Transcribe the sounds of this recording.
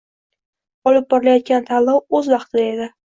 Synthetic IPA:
ɒlɪp̚bɒɾɪlajɒt̪̚ɡʲant̪ʰalˠːɒwɵzvɑqt̪ʰɪd̪ae̞d̪ɪ

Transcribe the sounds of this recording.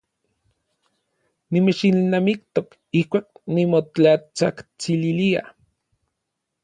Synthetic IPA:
nimet͡ʃilnamikt̪ok | ihkʷaːknimot͡ɬat͡sakt͡sililia̰

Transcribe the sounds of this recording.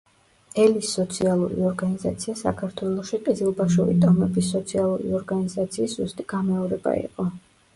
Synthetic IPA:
ɛlisːɔt̪sʰialˠṵɾḭɔɾɡanizat̪sʰiasa̰kʰaɾt̪ʰwɛlˠɔʃiqʼizilˠbaʃuɾḭt̪ʼɔmɛbisɔt̪sʰialˠuɾḭɔɾɡanizat̪sʰiːszust̪ʼiɡ̥amɛɔɾɛba̰ḭqʼɔ

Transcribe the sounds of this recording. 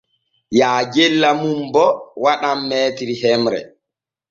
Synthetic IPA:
jaːd͡ʒɛlːamumbɔwaɗamːɛːtiɾiɦɛmɾɛ̰

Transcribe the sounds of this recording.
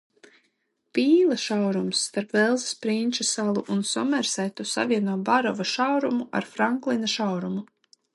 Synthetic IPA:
piːlˠaʃawɾumsːt̪aɾpvɛlˠzspɾinʲt͡ʃasalˠuʔunsɔmɛɾsæjt̪usa̰viɛnuɔbaɾɔvaʃawɾumuʔa̰ɾfɾaŋklˠinaʃawɾumu

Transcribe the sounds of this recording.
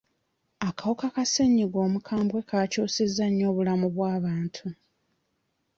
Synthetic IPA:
akawokakaseɲːiɡoːmukʰaːmbwe̞kaːcuːsezːaɲːo̞ːβulamuβwaːβaːntʰu

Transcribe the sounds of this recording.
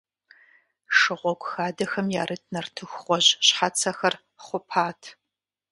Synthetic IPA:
ʂɨʁʷɔɡʷʼxaːdɐxɐmjaːɾɨtʰnɐrtʰɨxʷχʷɔʑɕħat͡sʰɐxɐr | χʷʊpʰaːtʰ

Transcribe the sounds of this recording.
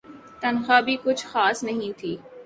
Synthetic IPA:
t̪ɐnxaːbʱikʊt͡ʃʰxaːsnɐɦĩt̪ʰiː

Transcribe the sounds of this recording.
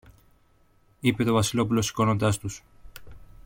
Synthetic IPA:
ipe̞t̪o̞vɐsilo̞pulo̞si̥ko̞no̞nd̪ɐst̪us

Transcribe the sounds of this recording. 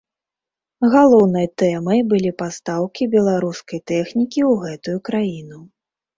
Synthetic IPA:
ɣalˠɔwnɨjɐt̪ɛmɐjbɨlʲipast̪awkʲibʲɛlˠaɾuskɐjt̪ɛxnʲikʲiwɣɛt̪ujukɾajinu

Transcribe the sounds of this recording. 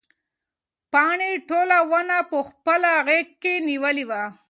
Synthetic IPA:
pɑɳiʈolawənapəxpəlaɣek̚kːeniwəliwa

